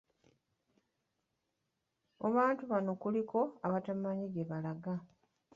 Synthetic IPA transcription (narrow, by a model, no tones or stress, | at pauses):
oβaːntuβano̞kulikʰo̞aβatamaɲiɡeβalaɡa